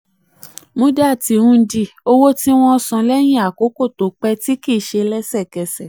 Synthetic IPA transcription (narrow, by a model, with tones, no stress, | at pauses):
mũ˦da˦˨ti˧˦ũ˦˧˦di˦˨o˦wo˦ti˦w̃ɔ̃˦ɔ˧sɔ̃˧lɛ˦j̃ĩ˦˨a˨ko˨˦ko˦˨to˨˦k͡pɛ˦ti˦ki˦˨ʃe˧lɛ˦sɛ˦˨kɛ˧sɛ˨